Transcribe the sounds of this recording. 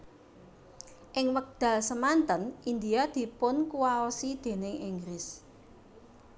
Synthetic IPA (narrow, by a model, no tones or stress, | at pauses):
ʔɪŋwək̚d̪̥a̤lsəmant̪ənʔind̪iad̪̥i̤pʊnkuwaɔsid̪̥e̤nɪŋiŋɡɾɪs